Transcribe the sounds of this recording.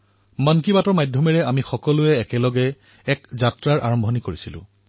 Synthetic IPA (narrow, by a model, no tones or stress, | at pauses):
mank̬ibatɔɹmajdʱjɔmɛɹɛamixɔkɔlʊɛːkɛlɔɡɛː | kzatɹaɹʔa̰ɹɔmbʱɔnikoɹisilʊ̰̃